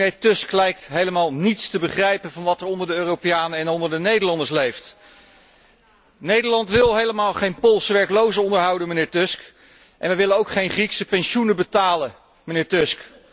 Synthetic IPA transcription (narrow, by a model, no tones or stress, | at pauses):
eːtɵsklɛjk̚tɦejləmaːlˠnitstəbəχrɛjpənvɑnʋɑtɛɹɔndəɹdəøːrowpejaːnəɛnɔndəɹdənejdəɹlɑndəɹs̬lejft | nejdəɹlɑntʋɪlˠɦejləmaːlˠχejnpɔlˠsəʋɛɹklowzəɔndəɹɦɑwdənmənɪːɹtɵsk | ʔɛ̰nʋɛjʋɪlənowkχejnχriksəpɛnʃunəbətaːlə | mənɪːɹtʏsk